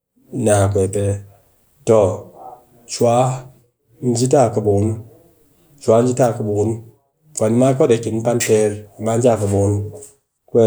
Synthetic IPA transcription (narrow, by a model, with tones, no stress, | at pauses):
na˨kʷe˨pɛ˨˦ | to˨ | t͡ʃwa˦ | n̩˦d͡ʒi˦ta˦˨kɨ˨bu˨˦n˦ | t͡ʃwa˨˦n̩˦d͡ʒi˦ta˦˨kɨ˨bu˨˦n | ka˨ni˦ma˦k̬ɔ˦de˨ki˨n˦m̩˦pa˦n˦pɛ˦ɾma˨˦n˦d͡ʒa˦˨kɨ˨bu˨˦n | kʷɛ˨